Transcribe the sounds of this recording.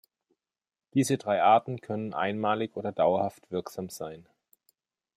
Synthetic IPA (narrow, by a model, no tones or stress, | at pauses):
d̥iːzədʁaɪʔaɐtn̩kʰœnənʔa̰ɪnmaːlɪçʔoːdɐdaʊɐhaftv̥ɪɐkz̥aːmz̥aɪn